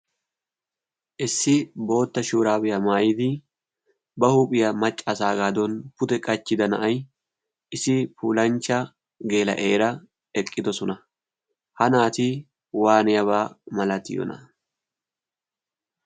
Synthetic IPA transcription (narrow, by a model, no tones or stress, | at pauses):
ʔɪsːɪbo̞ːt̪ːɐʃuːɾaːbɪjɐmaːjɪd̪ɪ | bɐhuːpʼɪjɐmɐt͡ʃʼːɐsaːɡaːd̪ɔnpʊt̪ɛkʼɐt͡ʃːɪd̪ɐnɐ̰ʔɐj | ʔɪsɪpuːlɐnt͡ʃːɐ | ɡe̞ːlɐ̰ʔeːɾɐ | ɛkʼːɪd̪ɔsɔnɐ | hɐnaːt̪ɪ | waːnɪjɐβaːmɐlɐt̪ɪ̰jɔ̰nɐ̰